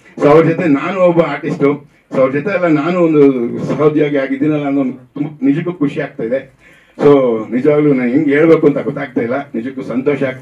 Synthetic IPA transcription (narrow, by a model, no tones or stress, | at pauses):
soːɐʋɾɐd͡ʒɔt̪enaːnuɔbɐaːɾʈisʈu | soːɐʋɾɐd͡ʒɔt̪eːlːɐnaːnuond̪usɐɦɐd̪jaːɡiaːɡid̪ːinɛlːɐɐnond̪ut̪umbɐnid͡ʒɐk̬ːukʰuʃiaːɡ̚t̪aːid̪e̞ | soːnid͡ʒɐʋaːɡlunaːniŋɡe̞ːɭbe̞ːkuɐnt̪ɐɡɔt̪ːaːɡ̚t̪ajilːɐnid͡ʒɐkːusɐnt̪oːʃɐaː